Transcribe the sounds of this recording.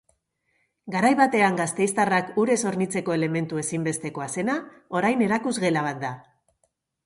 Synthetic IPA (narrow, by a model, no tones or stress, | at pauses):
ɡaɾajβat̪e̞aŋɡast̪e̞jst̪arakuɾe̞so̞ɾnit͡se̞ko̞e̞le̞me̞nt̪ue̞simbe̞st̪e̞ko̞ase̞na | o̞ɾajne̞ɾakuzɣe̞laβ̞at̪̚d̪a